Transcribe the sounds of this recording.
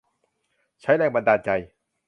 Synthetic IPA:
t͡ɕʰa˦˥jlɛː˧˩ŋba˧daː˧nt͡ɕa˧j

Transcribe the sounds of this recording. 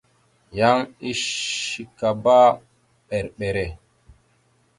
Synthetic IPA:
ja˦ŋi˦ʃi˨ka˨ba˦ | ɓɛ˨ɾɓɛ˨ɾɛ˨

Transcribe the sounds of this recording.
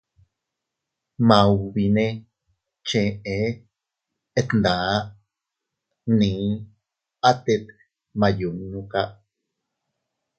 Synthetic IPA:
mã˨wβi˧nẽ˦ | t͡ʃẽ˧ʔe˧ | et̪nd̪a˨ | nĩ˨˦ | a˦t̪e˧t̪ | mã˧ju˨ŋnũ˧ka˦ʔ

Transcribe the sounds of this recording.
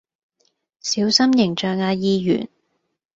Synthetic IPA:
siː˨˥wsɐ˥mjɪ˨˩ŋt͡ʃœː˨˧ŋaː˧jiː˧jy̰ː˨˩n

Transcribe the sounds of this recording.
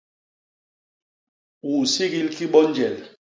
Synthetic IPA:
u˨si˦ɡi˦lki˦ɓɔ˦n˦d͡ʒɛ˨l

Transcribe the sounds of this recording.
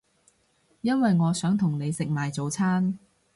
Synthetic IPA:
jɐ˥nwɐ˨jŋɔː˨˧sœː˨˥ŋt̪ʰʊ˨˩ŋne˨˧jsɪ˨k̚maː˨jt͡so˨˧wt͡sʰaː˥n

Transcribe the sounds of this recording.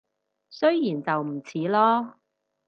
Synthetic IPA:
sɵ˥ɥjjiː˨˩nt͡sɐ˨wm̩˨˩t͡sʰiː˨˥lɔː˥

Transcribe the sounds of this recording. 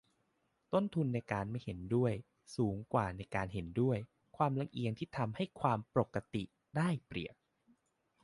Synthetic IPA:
t̪o˥˩nt̪ʰu˧nːa˧jkaː˧nma˥˩jhe˩˦ndu˥˩əj | suː˩˦ŋkwaː˨˩na˧jkaː˧nɦe˩˦ndu˥˩əj | kʰwaː˧mla˧ŋʔi˧əŋt̪ʰiː˥˩t̪ʰa˧mha˥˩jkʰwaː˧mpɾo˨˩kːa˧t̪ḭ˨˩ | daː˥˩jpɾḭ˨˩ək̚

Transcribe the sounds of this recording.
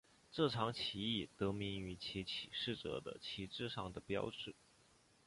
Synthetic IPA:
ʈ͡ʂɤ˥˩ʈ͡ʂʰɑ˧˥ŋt͡ɕʰi˧˥i˥˩t̪ɤ˧˥mi˧˥ŋy˧˥t͡ɕʰi˧˥t͡ɕʰi˨˩ʂɻ̩˥˩ʈ͡ʂɤ̰˨˩d̪ə̰˦t͡ɕʰi˧˥ʈ͡ʂɻ̩˥˧ʂɑ̰˥˩ŋd̪ə˩pjɑ̰˥ʊʈ͡ʂɻ̩˥˩

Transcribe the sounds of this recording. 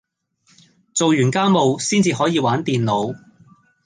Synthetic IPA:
t͡so˨wjyː˨˩nkaː˥mo˨wsiː˥nt͡siː˧ɦɔː˨˥jiː˧waː˨˥nt̪iː˨nlo˨˥w

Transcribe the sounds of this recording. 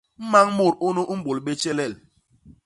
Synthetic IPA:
m̩˦ma˦ŋmo˦˨ɾo˦nu˦ʔ̩˦bo˨lɓe˦t͡ʃɛ˦lɛ˦˨l

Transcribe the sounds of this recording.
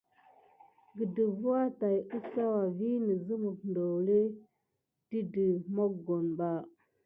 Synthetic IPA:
ɡə˨də˨vu˦a˦ta˨ju˦sa˦wa˨vi˦nə˨zə˦mu˨kndo˨wle˦ | ti˦də˨mo˦kɡo˨nɓa˦˨

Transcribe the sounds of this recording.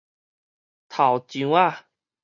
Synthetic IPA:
t̪ʰa˨˩wt͡ɕiũ˨˧˦a˥˧˨

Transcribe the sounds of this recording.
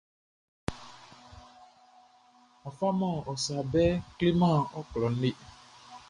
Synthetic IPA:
ɔ˨fa˦mɔ̃˦˨ɔ˨sa˨bɛ˦kli˦mã˦˨ɔ˦klɔ˨n̩˦ɖe˦

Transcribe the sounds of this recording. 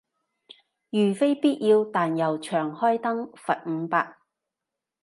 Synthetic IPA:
jyː˨˩fe˥jpiː˥t̚jiː˧wt̪aː˨njɐ˨˩wt͡ʃʰœː˨˩ŋhɔː˥jt̪ɐ˥ŋfɐ˨t̚ŋ̩˨˧paː˧k̚

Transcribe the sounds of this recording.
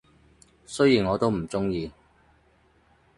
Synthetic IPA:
sɵ˥ɥjiː˨˩nŋɔː˨˧t̪o˥wm̩˨˩t͡sʊ˥ŋjiː˧

